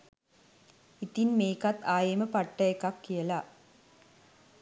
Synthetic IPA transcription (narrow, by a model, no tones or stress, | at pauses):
it̪inmeːkɐt̪aːjɐmɐpɐʈːɐjɐkːɐkːijɐla